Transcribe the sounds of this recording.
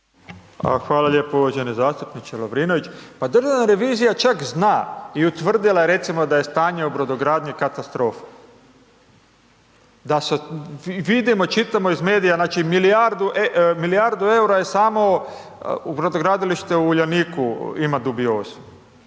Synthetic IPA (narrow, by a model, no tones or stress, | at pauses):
xʋaːlaʎeːpouʋad͡ʒenezaːst̪upnit͡ʃelobɾinoʋit͡ʃpad̪r̩ʒaʋnaɾe̞ʋiːzijat͡ʃakznaːiut̪ʋr̩d̪ilˠajeɾe̞t̪simo̞d̪aje̞st̪aːɲeubɾod̪oɡɾaːd̪ɲikat̪ast̪ɾo̞ːfḁ | d̪aseʋid̪imot͡ʃit̪amoizmeːd̪ijaznaːt͡ʃimiliaɾd̪uʔemilijaɾd̪ue̞uɾajesaːmo̞ | ubɾod̪oɡɾaːd̪iliʃt̪euuʎaniːkuimad̪ubio̞ːzu